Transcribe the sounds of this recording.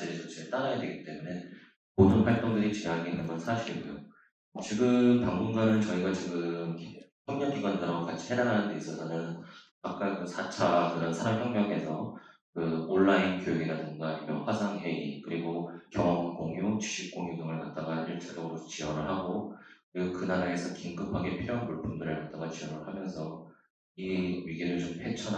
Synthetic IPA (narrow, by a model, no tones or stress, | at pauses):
iɾet͡ɕʌt͡ɕʰet͈aɾajadwe̞̰ɡit͈e̞mune̞ | podɯnɸwaɭt͈oŋdɯɾit͡ɕeaɡeinːɯnɡʌnsʰaɕʰiɾiɡejo | t͡ɕiɡɯmpaŋmunɡanɯnt͡ɕʌiɡat͡ɕiɡɯmpjʌŋɲʌŋkiɡwandɯɾaɡokat͡ɕʰi̥he̞daɾanɯnde̞is͈ʌtʰanjʌn | ak̚k͈akɯsʰat͡ɕʰakɯɾʌnsʰaɾamçjʌŋɲʌŋɦe̞sʰʌkɯoɭːainkjojeɡinatoŋɡaibjo̰ɸwasʰaŋɦe̞ḭkɯɾiɡokjʌŋʌŋkoŋjot͡ɕu̥ɕʰik̚k͈oŋjoɡʌŋɯɭkat̚t͈aɡaiɭt͡ɕʰeɡʌɡɯɾot͡ɕiwʌŋɯɭhaɡokkɯɾiɡokɯnaɾaesʰʌkiŋɡɯpʰaɡepʰijʌnpuɭpʰundɯɾɯɭkat̚t͈aɡat͡ɕiʌnɯɭhamjʌnsʰʌ | iɥiɡiɾɯɭt͡ɕomhet͡ɕʰʌn